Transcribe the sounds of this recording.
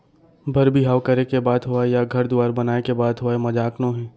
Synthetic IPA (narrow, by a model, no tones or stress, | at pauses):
bʱɐɾbʱiɦaːʋkɐɾekebaːd̪ɦoajaɡʱɐɾd̪ʊaːɾbɐnaːekebaːd̪ɦoaemɐd͡ʒaːknõɦɛ̃ː